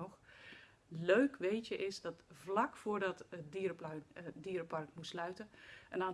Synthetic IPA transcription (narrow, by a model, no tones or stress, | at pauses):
ɔχ | løɥkʋejtəʔɪsdɑtvlɑkfʊːɹdɑtədiːrpdiːɾpɑrkmutslœɥtənʔənaː